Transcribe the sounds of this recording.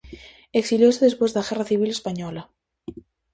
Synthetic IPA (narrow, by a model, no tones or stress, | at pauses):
eksiljoseðespwezðaɣeraθiβ̞ilespaɲɔla